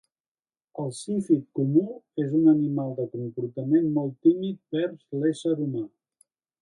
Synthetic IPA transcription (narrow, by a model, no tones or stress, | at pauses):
əlˠsifikkumuezunənimalˠd̪əkumpuɾt̪əmenmɔlˠt̪imit̪̚bɛɾzlesəɾuma